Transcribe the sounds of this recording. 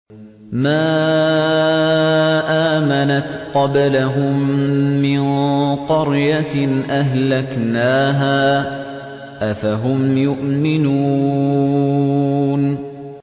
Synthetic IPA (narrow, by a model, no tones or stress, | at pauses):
maː | ʔaːmanat̪qɑblaɦʊmːɪnqɑɾjaʔaɦlaknaːɦaː | ʔafaɦʊmjʊʔmɪnuː | n